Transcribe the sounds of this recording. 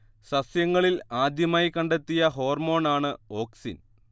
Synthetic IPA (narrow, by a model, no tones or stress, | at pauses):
sɐsjɐŋːɐɭilaːd̪ʱjɐmaːjikːɐɳɖet̪ːijɐɦo̞ːrmo̞ːɳaːɳɨo̞ːksḭn